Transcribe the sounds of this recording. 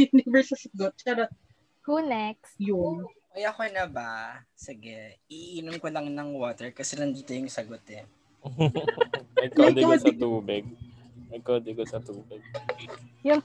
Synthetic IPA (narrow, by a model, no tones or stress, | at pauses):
jʊnɪvɛɹsɐsɐɡot̪̚t͡ʃaːɾɐ | kuːnɛksjʊŋkɐjakonɐbɐsɪɡɛ | iʔʔiːnomkolɐŋnɐŋwoːt̪ɛɹkɐsɛnɐnd̪iːt̪ojʊŋsɐɡot̪ɛ | ɐjkmɛd̪ɐɐsɐt̪uːbɪɡ̚ | ɐjkoːd̪ɪkosɐt̪uːbɪɡ̚ | jʊŋ